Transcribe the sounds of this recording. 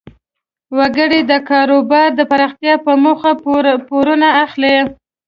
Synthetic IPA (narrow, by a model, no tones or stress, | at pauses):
waɡəɽed̪əkɑɾobɑɾd̪əpaɾɑxt̪jɑpəmoxapoɾunaːxle